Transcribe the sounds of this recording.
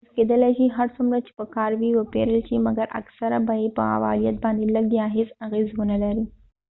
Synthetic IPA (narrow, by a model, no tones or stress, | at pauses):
zked̪əlajʃiɦaɾsumɾat͡ʃe̥pəkɑɾwiwəpeɾəlʃimaɡaɾa̰ksaɾabajipə̰a̰wɑ̰lijat̪̚bɑnd̪eləɡ̚d̪jɑɦɪsaɣezwʊnalaɾi